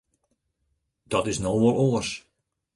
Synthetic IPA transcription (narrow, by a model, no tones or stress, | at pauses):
d̥ɔtɪsnoːʋolˠoəs